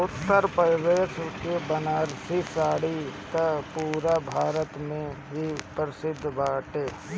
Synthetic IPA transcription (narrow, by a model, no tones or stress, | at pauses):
ʊt̪ːəɾpəʋeːʃkebənaːɾsisaːɽit̪ɐpuːɾabʱaːɾət̪mẽɦipɾɪsɪd̪ʱːbaːʈeː